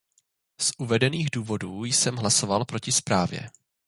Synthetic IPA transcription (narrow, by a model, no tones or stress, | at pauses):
sʔuvɛdɛniːɣduːvo̞duːjsɛmɦlaso̞valpɾo̞cɪspɾaːvjɛ̰